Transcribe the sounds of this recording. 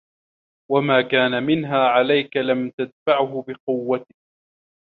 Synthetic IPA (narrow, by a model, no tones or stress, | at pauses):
wamaːkaːnamɪnɦaːʕalajkalamt̪ad̪faʕɦʊbɪqʊwːat̪ɪ̥k̚